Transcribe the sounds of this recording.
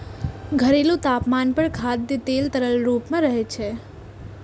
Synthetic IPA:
ɡʱəɾelũt̪apmanpəɳkʰad̪jət̪elt̪əɾəlɾupmãɾəɦet͡ʃʰe

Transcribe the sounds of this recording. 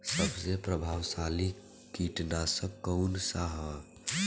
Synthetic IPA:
səbsepɾəbʱaːwsali | kiʈnasə̃kəʊnsaɦə

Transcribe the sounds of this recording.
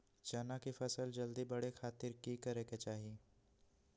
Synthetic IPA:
t͡ʃaːnakifɐsəld͡ʒɐld̪ibɐɽexʰaːt̪ɪɾkikɐɾeːket͡ʃaːɦieː

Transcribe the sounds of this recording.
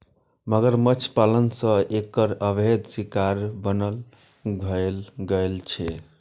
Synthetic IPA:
məɡəɾmət͡ʃʰpalənsə̃ekəɾəbʱed̪sikaɾbənəl | ɡʱəlɡəlt͡ʃʰɛ

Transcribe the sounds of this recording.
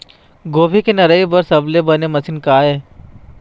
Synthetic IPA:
ɡoːbʱikenɐɾəibɐɾsɐblebɐnemɐsɪnkaːɦeː

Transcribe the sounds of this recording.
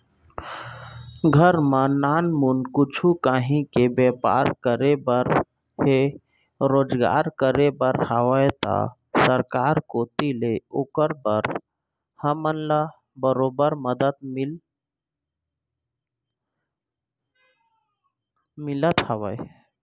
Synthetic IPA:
ɡʱəɾmanaːnmunkʊt͡ʃʰukaɦĩkebepa̰ɾkəɾebəɾ | ɦe | ɾoːd͡ʒɡa̰ɾkəɾebəɾhaʋəjt̪a̰ | səɾkaɾkot̪ileoːkəɾbəɾ | həmənla | bəɾobəɾməd̪ət̪̚m | mɪlət̪haʋəj

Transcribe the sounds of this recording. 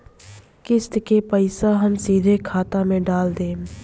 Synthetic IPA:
kɪst̪kepəɪsaɦɐmsiːd̪ʱekʰaːt̪amẽɖaːld̪ẽː

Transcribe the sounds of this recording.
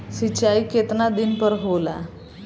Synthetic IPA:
sit͡ɕaiket̪nad̪inpəɾɦola̰

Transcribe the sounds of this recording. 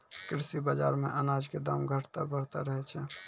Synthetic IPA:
kɾɪsibad͡ʒa̰ːɾmẽʔənad͡ʒked̪aːmɡʱəʈʰt̪a̰bəɽt̪aɾəɦɛt͡ʃʰɛ

